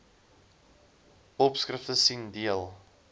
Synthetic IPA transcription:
ɔpskrəftəsindiəlˠ

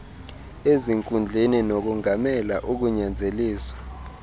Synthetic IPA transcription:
eziŋkʼund͡ɮʱininok̬uŋamɛla̰ʔuk̬uɲand͡zʱeliːswḁ

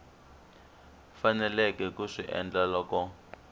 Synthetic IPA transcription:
fanɛlɛkɛkuʂiʔɛ̰nd͡ɮalɔːkɔ

